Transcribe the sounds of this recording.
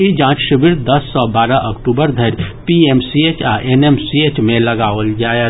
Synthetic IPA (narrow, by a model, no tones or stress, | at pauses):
id͡ʒãːt͡ʃʃəbɪɾd̪ɐsːɔbaːɾaʔɐkʈuːbəɾd̪ʱɐɾpiemsiet͡ʃaʔenemsieːt͡ʃmẽlɐɡaːʋəld͡ʒaːe